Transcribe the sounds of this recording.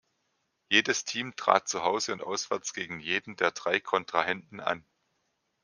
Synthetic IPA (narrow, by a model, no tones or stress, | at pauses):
jeːdəstʰiːmtʁ̥a̰ːt̚t͡suɦaʊzəʊntʔa̰ʊsv̥ɛɐt͡sɡ̥eːɡŋ̩jeːdn̩deːɐdʁaɪkʰɔntʁ̥ahɛntn̩ʔa̰n